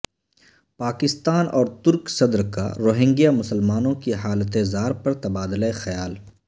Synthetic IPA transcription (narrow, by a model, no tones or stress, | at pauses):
paːkɪst̪aːnʔɔːɾt̪ʊɾksɐd̪ɾka̰ɾoːɦɪ̃ŋɡijamʊsəlmaːnõkiɦaːlət̪ezaːɾpɐɾt̪ɐbaːd̪leexɐjaːl